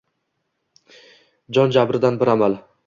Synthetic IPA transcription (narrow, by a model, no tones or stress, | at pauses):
d͡ʒɒnd͡ʒabɾɪd̪anbɪɾamal